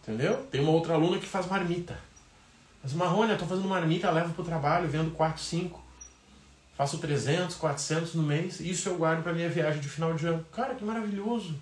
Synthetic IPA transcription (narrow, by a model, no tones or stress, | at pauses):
ĩt̪ẽnd̪ewt̪ẽj̃ũmɐowt̪ɾɐalũnɐkɪ̥fazmaɾmit̪ɐ | azmaɦõnɐt̪ofazẽd̪umaɾmit̪ɐlɛvɐpɾʊt̪ɾabaʎʊvẽnd̪ʊkwat̪ʊ̥sĩŋkʊ̥ | fasʊt̪ɾezẽnt̪ʊ̥skwat̪ɾʊ̥sẽnt̪ʊznʊmejsisʊewɡwaɾd̪ʊpɾɐmĩɲɐviaʒẽj̃d͡ʒɪfinawd͡ʒɪɐ̃nʊkaɾɐkɪmaɾaviʎozʊ